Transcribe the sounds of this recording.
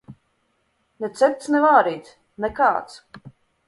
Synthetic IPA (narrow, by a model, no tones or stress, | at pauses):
nɛt̪sɛt̪̚t̪snɛvaːɾiːt̪s | nɛkaːt̪s